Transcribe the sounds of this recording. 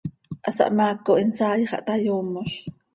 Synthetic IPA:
ʔasa̰ʔmaːkoʔinsaːjχɑ̰ʔt̪ajoːmoʃ

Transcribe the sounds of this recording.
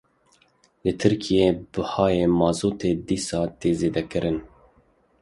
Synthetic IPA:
lɨt̪ʰɨɾkʰijeːbɨhɑːjeːmɑːzoːt̪eːd̪iːsɑːt̪eːzeːd̪ɛkɨɾʔɨn

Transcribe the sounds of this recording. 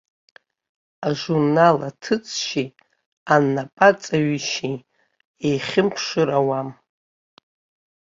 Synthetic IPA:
aʒurnalatʰɨt͡sʼʃi | anːapʼat͡sʼaɥiʃi | ejχʲɪmpʰʂɨɾawam

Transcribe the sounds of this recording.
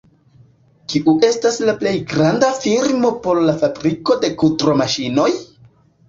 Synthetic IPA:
kiʔuʔe̞staslaple̞jɡɾandafiɾmo̞po̞ɾlafabɾiko̞de̞kultɾo̞maʃino̞j

